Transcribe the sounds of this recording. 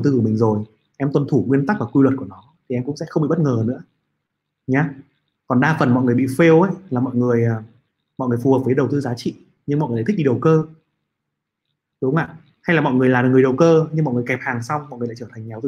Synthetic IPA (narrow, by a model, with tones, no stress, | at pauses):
ə˨˩wt̪ɨ˧kmï˨˩ŋ̟zo˨˩j | ʔɛ˧mt̪wə˨˩nt̪ʰu˧˩ŋwi˧ənt̪a˦˥k̚vaː˨˩kwi˧lwə˨˩t̚ku˧˩ənɔ˨˦t̪ʰi˨˩ɛ˧mkʊ̰˧˥ŋ͡msɛ̰˧˥xə˧wŋ͡mɓḭ˧˨ɓt̚ŋəː˨˩nɨ̰˧˥ə | ɲaː˨˦ | kɔ˨˩nɗaː˧fə˨˩nmɔ̰˧˨jŋɨ˩jɓḭ˧˨fe˧wʔə˧˦˥jlaː˨˩mɔ̰˧˨jŋɨ˨˩əjː | mɔ̰˨jŋɨ˨˩əjfu˨˩həː˨˩p̚və˨˦ɗə˨˩wt̪ɨː˧zaː˨˦t͡ɕḭ˧˨ | ɲɨ˧ŋm˨ŋɨ˨˩˨t̪ʰk̚ɗḭ˧˨ə˨˩wkəː˧ | ɗʊ˨˦ŋ͡mla̰ː˧˨ | ha˧jlaː˨˩mɔ̰˧˨ŋɨ˨˩əlaː˨˩˨ŋɨ˩əjɗə˨˩wkəː˧ɲɨ˧ŋɔ̰˧˨jŋɨ˨˩əjkɛ˨˩p̚haː˨˩ŋsa˧wmɔ̰˧˨jʔɨ˨˩la̰˧t͡ɕəː˧˩a˨˩ŋ̟ɲa˨˩wt̪